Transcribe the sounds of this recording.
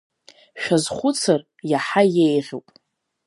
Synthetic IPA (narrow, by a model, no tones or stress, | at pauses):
ʃᶣazχʷʊt͡sʰar | jaħajejʁʲopʼ